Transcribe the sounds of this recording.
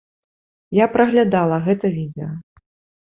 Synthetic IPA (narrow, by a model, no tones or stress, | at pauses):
japɾɐɣlʲad̪alˠɐɣɛt̪ɐvʲid̪ɛjɐ